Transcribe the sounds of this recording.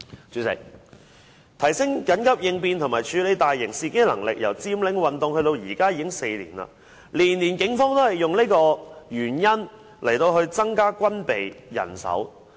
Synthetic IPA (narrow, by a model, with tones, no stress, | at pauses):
t͡ʃy˨˧sɪ̰˨˩k̚ | t̪ʰɐ˨˩jsɪ˥ŋkɐ˨˥nkɐ˥p̚jɪ˧ŋpiː˧nt̪ʰmaː˨jt͡ʃʰyː˨˧le˨˧jt̪aː˨jːɪ˨˩ŋsiː˧kɪ˥ŋlɐ̰˨˩ŋlɪ̰˨k̚jɐ̰˨˩wt͡siː˧mlɪ˨˥ŋwɐ˨nt̪ʊ˨˧ŋhɵ˧ɥt̪o˧wjiː˨˩kaː˥jiː˨˧kɪ˥ŋse˧jlḭː˨˩nɐ̰˧ | liː˨˩nliː˨˩nkɪ˨˥ŋfɔː˥ŋt̪o˥whɐ˨˩jːʊ˨ŋne˥kɔː˧ɥyː˨˩njɐ˥n | lʔɐ˨˩jt̪o˧whɵ˧ɥt͡sɐ˥ŋkaː˥kʷɐ˥npe˨jjɐ̰˨˩nsɐ̰˨˥w